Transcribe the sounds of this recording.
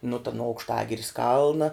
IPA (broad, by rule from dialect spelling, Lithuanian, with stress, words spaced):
nʊ tɐ nʊ ɐʊkʃˈtɑːɡʲɪrʲɪs ˈkɐlˠnɐ